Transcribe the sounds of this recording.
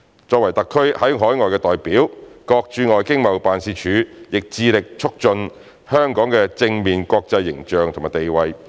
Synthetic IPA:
t͡ʃɔː˧k̚wɐ˨˩jt̪ɐ˨kʰːɵ˥ɥhɐ˨˥jɦɔː˨˥jŋɔː˨jkɛː˧t̪ɔː˨˩jpiː˨˥wkɔː˧k̚t͡ʃyː˧ŋɔː˨jkɪ˥ŋmɐ˨wpaː˨nsiː˧t͡ʃʰyː˨˧jɪ˨k̚t͡siː˧lɪ˨k̚t͡ʃʰʊ˥k̚t͡ʃɵ˧n | hœː˥ŋkɔː˨˥ŋkɛː˧t͡sɪ˧ŋmiː˨nkʷɔː˧k̚t͡sɐ˧jːɪ˨˩ŋt͡ʃœː˨ŋt̪ʰo˨˩maː˨˩t̪e˨jwɐ˨˧j

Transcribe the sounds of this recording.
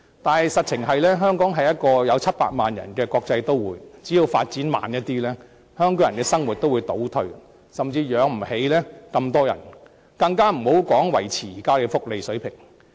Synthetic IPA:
t̪aː˨nhɐ˨jsɐ˨t̚t͡sʰɪ˨˩ŋɦɐ˨jlɛː˥ɦœː˥ŋkɔː˨˥ŋɦɐ˨jɐ˥t̚kɔː˧jɐ˨˧wt͡sʰɐ˥t̚pa̰ː˧t̚ma̰ː˨njɐ̰˨˩nkɛː˧kɔː˧k̚t͡sɐ˧jt̪o˥wwuː˨˧jt͡siː˨˥ji˧wfaː˧t̚t͡siː˨˥nma̰ː˨njɐ˥t̚t̪iː˥lɛː˥ | hœː˥ŋkɔː˨˥ŋɐ˨˩nkɛː˧sɐ˥ŋwu˨t̚t̪o˥wu˨˧jt̪o˨˥wt̪ʰɵ˧ɥ | sɐ˨mt͡siː˧jœː˨˥ŋm̩˨˩he˨˥jlɛː˥kɐ˧mt̪ɔː˥jɐ̰˨˩n | kɐ˧ŋkaː˥m̩˨˩ho˨˥wkɔː˨˥ŋwɐ˨˩jt͡sʰiː˨˩iː˨˩kaː˥ke˧fʊ˥k̚le˨jsɵ˨˥ɥpʰɪ˨˩ŋ

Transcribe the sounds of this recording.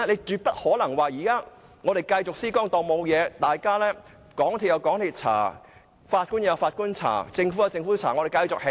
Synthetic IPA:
ne˨˧jt͡ʃyː˨˧t̚pɐ˥t̚hɔː˨˥lɐ˨˩ŋwaː˨jiː˨˩kaː˥ | ŋɔː˨˧ɾe˨˩jkɐ˧jt͡sʊ˨k̚siː˥kɔː˥ŋt̪ɔː˨mo˨˧wjɛː˨˧t̪aː˨jkaː˥lɛː˥ | kɔː˨˥ŋt̪ʰiː˨tjɐ˨˧wkɔː˨˥ŋt̪ʰiː˧˩t̚t͡sʰa̰ː˨˩ | faː˧t̚kuː˥njɐ˨˧faː˧t̚ku˥nt͡sʰa̰ː˨˩t͡sɪ˧ŋfu˨˦˥jɐ˨˧wt͡sɪ˧ŋfuː˨˥t͡sʰaː˨˩ŋɔ˨˧ɾe˨jkɐ˧jt͡sʊ˨k̚he˨˦˥

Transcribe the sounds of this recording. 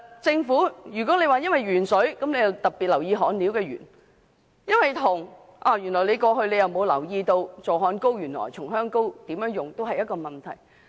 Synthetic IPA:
t͡sɪ˧ŋfuː˨˥jyː˨˩k̬ɔː˨˥le˨˧jwaː˨˩jɐ˥nwɐ˨jɥyː˨˩nsɵ˨˥kɐ˨˥mnle˨˧jɐ˨˩wt̪ɐ˨˩t̚piː˨t̚lɐ˨˩wjiː˧ɦɔː˨˧nliː˨˥wkɛː˧ɥy̰ː˨˩n | jɐ˥nwɐ˨jt̪ʰʊ˨˩ŋ | ʔaː˨˩jyː˨˩nlɔː˨˩jle˨˧jkɔː˧ɦɵ˧ɥle˨˧jɐ˨wmo˨˧wlɐ˨˩wjiː˧t̪o˧wt͡sɔː˨˩ɦɔː˨˥nko˥wjyː˨˩nlɔ̰ː˨˩jt͡sʰʊ˨˩ŋɦœː˥ŋko˥wt̪iː˨˥mjœː˨˥ŋjʊ˨ŋt̪o˥wɦɐ˨jɐ˥t̚kɔː˧mɐ˨˩nt̪ʰɐ̰˨˩j

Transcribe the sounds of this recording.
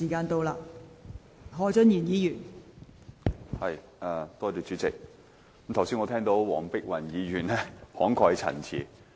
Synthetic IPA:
iː˨˩kaː˧nt̪o˧wlaː˧ | ɦɔː˨˥t͡ʃɵ˥njiː˨˩njiː˨˧jyː˨˩n | hɐ˨j | ʔaː˨˩t̪ɔː˥t̪iː˨˧˩t͡ʃyː˨˥t͡sɪ˨k̚ | mt̪ʰɐ˨˩wsiː˥nŋɔː˨˧ɛː˥ŋt̪o˨˧˥wwɔː˨˩ŋpɪ˥k̚wɐ˨˩njiː˨˧ɥyː˨˩nlɛː˥hɔː˨˥ŋkʰɔː˧khɐ˨˧jt͡sʰɐ̰˨˩nt͡sʰḭː˨˩

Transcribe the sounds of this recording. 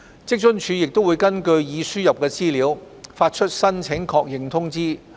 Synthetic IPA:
t͡sɪ˥k̚t͡ʃɵ˥nt͡ʃʰyː˨˧jɪ˨k̚t̪wu˨˧jkɐ˥nkɵ˧ɥjiː˨˧syː˥jɐ˨p̚kɛː˧t͡siː˥liː˨˥w | faː˧t̚t͡ʃʰɵ˥t̚sɐ˥nt͡sʰɪ˨˥ŋkʰɔː˧k̚jɪ˨ŋt̪ʰʊ˥ŋt͡siː˥

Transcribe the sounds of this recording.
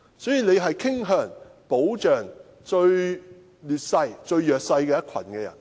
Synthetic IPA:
sɔː˨˥jiː˨ne˨˧jɦɐ˨jkʰɪ˥ŋɦœː˨˩ŋpo˨˥wt͡ʃœː˨ŋ | t͡ʃɵ˧ɥ | lyː˨t̚sɐ˧jt͡ʃɵ˧ɥjœː˨k̚sɐ˧jkɛː˧jɐ˥t̚kʰɐ̰˨˩nkɛː˧jɐ̰˨˩n

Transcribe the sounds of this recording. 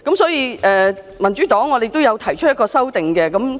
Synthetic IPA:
kɐ˨˥msɔː˨˥jiː˧ʔɛː˨ | mɐ˨˩nt͡ʃyː˨˥t̪ɔː˨˥ŋːɔː˨˧d̪e˨jt̪o˥wjɐ˨˧wt̪ʰɐ˨˩jt͡ʃʰɵ˥t̚jɐ˥kɔː˧sɐ˥wt̪ɪ˨ŋkɛː˧kɐ˨˥m

